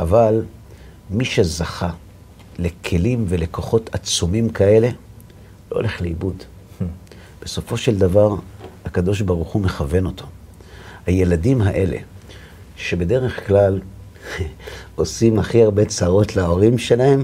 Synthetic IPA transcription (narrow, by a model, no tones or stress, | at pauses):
ʔaval | miʃezaχa | le̞kʰe̞limve̞le̞ko̞χo̞tat͡sumimkae̞le̞ | lo̞ole̞χleibud | b̥e̞so̞fo̞ʃe̞ld̪avaʁhakad̪o̞ʃ̬baʁuχume̞χave̞no̞tʰo̞ | haje̞ladimɦaʔe̞le̞̰ | ʃe̞be̞de̞ʁe̞χklal | o̞simaχiaʁbe̞t͡saʁo̞tlaoʁimʃe̞lahe̞m